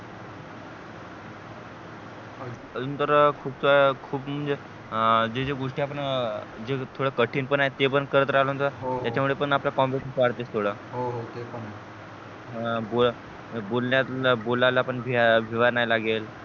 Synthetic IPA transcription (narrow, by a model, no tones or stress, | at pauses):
ənt̪əɾkʰuːp̚t̪ʰoakʰuːpm̤əɳd͡ze | d͡ʑed͡ʑeɡoʂʈiːapəɳd͡ʑet̪ʰoɽəkəʈʰiːnpəɳaɦet̪epəɳkəɾət̪ɾaɦləɦənt̪oɾɦt̪jat͡ɕamʋiɭepəɳaplakɔmbeʈːpaɾt̪est̪ʰoɽaɦoɦot̪ep | bol | bolɳjat̪lbolalaːpəɳʋiʋʱiʋaɾnajilaɡel